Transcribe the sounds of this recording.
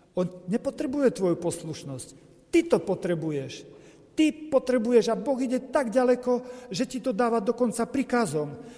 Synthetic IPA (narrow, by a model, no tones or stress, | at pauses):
ɔnɲɛpɔt̪ɾɛbujɛt̪ʋɔjupɔsluʃnɔsc | t̪it̪ɔpɔt̪ɾɛbujɛʃ | t̪ipɔt̪ɾɛbujɛʒabɔɣiɟɛt̪aɡɟalɛkɔʒɛcit̪ɔd̪aːʋad̪ɔkɔnt͡sapɾikazɔm